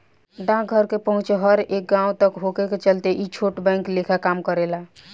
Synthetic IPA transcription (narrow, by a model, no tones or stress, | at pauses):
ɖãɡʱəɾkepəɦũt͡ʃɦəɾek̚ɡãũt̪əkɦokeket͡ʃəlt̪eʔit͡ʃʰoʈbɛ̃ɪŋklekʰakamkəɾela